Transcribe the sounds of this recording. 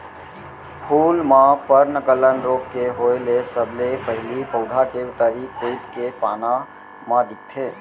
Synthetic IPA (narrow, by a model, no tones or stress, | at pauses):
pʰulmãpəɾnəkələnɾokkeɦoelesəbʱlepəɦɪlipəʊd̪ʱakeut̪əɾikujt̪kepana | mãd̪ik̚t̪ʰe